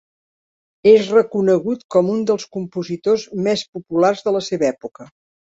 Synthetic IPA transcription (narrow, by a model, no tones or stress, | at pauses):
ezrəkunəɣ̞ut̪kɔmund̪əlˠskumpuzit̪ozmespupularzðələseβəɛpukə